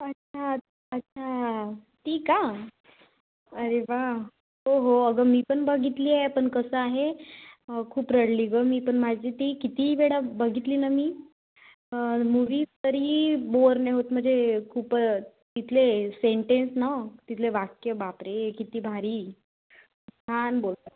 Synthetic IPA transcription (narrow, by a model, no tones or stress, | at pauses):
ətːɕʰa | ətːɕʰat̪iːka | əɾeʋa | ɦoɦoəɡəmiːpəɳbəɡʱit̪liːepəɳkəsəaɦe | kʰuːpɾəɽliɡəmiːpəɳmad͡ʑiːt̪iːkit̪ibeɽabəɡʱit̪liːnamiː | əmuʋiːst̪əɾiːboɾneɦot̪m̤əɳd͡zekʰuːp | t̪it̪ʰleseɳʈensnat̪it̪ʰleʋakjəbapɾekit̪iːbʱaɾiː | t̪ʰanbolt̪a